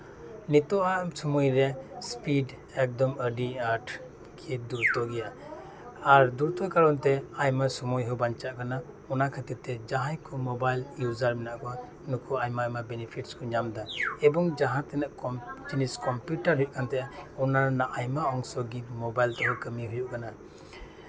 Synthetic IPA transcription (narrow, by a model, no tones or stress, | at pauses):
nit̪ɔʔasumɔjɾespid | ɛk̚d̪ɔmədiaɾʈʰ | kʰiduɾt̪ɔɡɛja | aɾduɾt̪ɔkaɾɔntɛajmasumɔjɦɔbant͡ʃaʔkʰana | ɔnakʰat̪ɛt̪ed͡ʒaɦajkʰumɔbajljuzaɾminaʔkɔwa | nukʰuajmaːjmabɛnipʰitskʰɔɲamd̪aɛbɔŋd͡ʒaɦãt̪ɛnaʔkɔd͡ʒiniskɔmputaɾɦujuʔkʰant̪ʰɛʔaɔnaɾnaʔajmaɔŋsɔɡimɔbajlt̪ɔɦɔkəmiɦujuʔkana